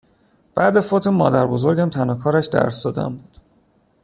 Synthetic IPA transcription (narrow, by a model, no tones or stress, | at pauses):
b̥æːd̪efot̪ʰemɒ̰ːd̪æɾbozo̞ɾɟæmt̪ʰænɒːkʰɒːɾæʃd̪æ̰ɾsd̪ɒːd̪æ̰mbuːd̪̥